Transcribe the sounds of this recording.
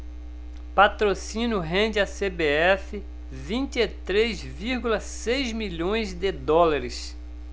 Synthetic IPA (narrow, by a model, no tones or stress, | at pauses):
pat̪ɾosĩnʊɦẽnd͡ʒɪasebeɛfɪ | vĩnt͡ʃ̪ɪet̪ɾezviɾɡulɐsejzmiʎõj̃zd̪ɪd̪ɔlaɾɪs